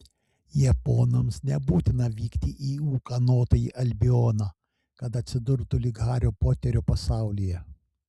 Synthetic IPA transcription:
jɛpoːnɐmsnʲɛbuːt̪ʲɪnɐʋʲiːkt̪ʲɪʔiːuːkɐnoːt̪ojiʔɐlʲbʲɪoːnɑ | kɐt̪ɐt̪ʲsʲɪd̪ʊɾt̪ʊlʲɪɡɑːɾʲoːpoːt̪ʲɛɾʲuːpɐsɑˑʊlʲijɛ

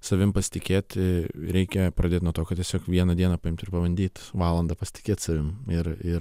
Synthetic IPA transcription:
sɐʋʲɪmpɐsʲɪ̥t̪ʲɪkʲeːt̪ʲɾʲɛɪkʲɛpɾɐd̪ʲeːt̪nuɔt̪oːkɐtʲiɛsʲoːkʋʲiɛnɐd̪ʲiɛnɐpɐɪmt̪ɪɾpɐʋɐnʲd̪ʲiːt̪ʋɑːlˠɐnd̪ɐpɐsʲɪ̥t̪ʲɪ̥kʲeːt̪sɐʋʲɪmɪrɪɾ

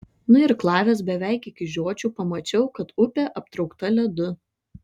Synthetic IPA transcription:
nʊɪɾklˠɑːʋʲɛs̬bʲɛʋʲæˑɪkɪkʲɪʒʲoɔt͡ʃʲuːpɐmɐt͡ʃʲɛʊkɐt̪ʊpʲɛʔɐp̚t̪ɾɒʊkt̪ɐlʲɛd̪ʊ

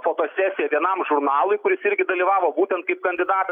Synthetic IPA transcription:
foːt̪oːsʲæːsʲɪjɛʋʲiɛnɐmʒʊɾnɑːlˠʊɪkʊɾʲɪsɪɾʲɡʲɪd̪ɐlʲiːʋɑːʋoːbuːt̪ʲɛnt̪̚kɐɪp̚kɐnʲd̪ʲɪd̪ɑːt̪ɐ

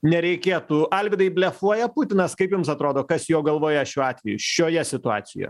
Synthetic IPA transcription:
nʲɛɾʲɛɪkʲeːt̪uɐlʲʋʲɪd̪ɐɪbʲlʲɛfuɔjɛput̪ʲɪnɐskɐɪpjʊmsɐt̪ɾoːd̪oːkɐsjoːɡɐlˠʋoːjɛɐʃʲuːɑːt̪ʲʋʲɛjʊ̰ʃʲoːjɛsʲɪt̪ʊɑ̰ːt̪sʲɪjo̰j

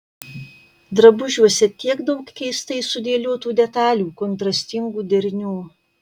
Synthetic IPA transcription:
d̪ɾɐbʊʒʲuɔsʲɛt̪ʲiɛkd̪ɔŋkkʲɛɪst̪ɐɪsʊd̪ʲeːlʲoːt̪uːd̪ʲɛt̪ɑːlʲuːkɔnt̪ɾɐsʲt̪ʲɪŋɡuːd̪ʲɛɾʲnʲuː

